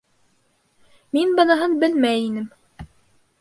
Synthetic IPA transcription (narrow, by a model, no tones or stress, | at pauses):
minbɑ̆nɑɦɤnbɘlmæjinɘm